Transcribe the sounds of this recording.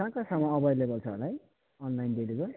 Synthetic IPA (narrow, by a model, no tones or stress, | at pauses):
kãkasʌmʌʌbʱʌjlebʌlt͡sʰʌɦo̰laj | ʌnlajndeliɡʌr